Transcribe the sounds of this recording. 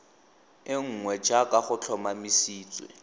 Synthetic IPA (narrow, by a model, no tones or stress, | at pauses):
ɪŋ̩ŋwɛd͡ʒakʼaχʊt͡ɬʰɔmamisiːt͡sʼwɛ̰